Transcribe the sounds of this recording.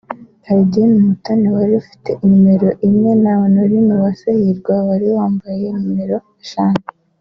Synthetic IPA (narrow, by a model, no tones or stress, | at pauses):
haɾiɟienumutanewaɾiufi̥te̞ʔimime̞ɾo̞ʔimŋe̞nawanuɾimuβasahiɾɡwawaɾiwaːmbaje̞mime̞ɾo̞ | aʃaːne